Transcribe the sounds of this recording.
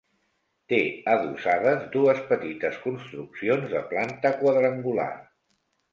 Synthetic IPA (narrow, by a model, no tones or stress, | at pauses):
t̪eəðusað̞əzd̪uəspət̪it̪əskunst̪ɾuksionzðə̰plant̪əkwəðɾəŋɡula̰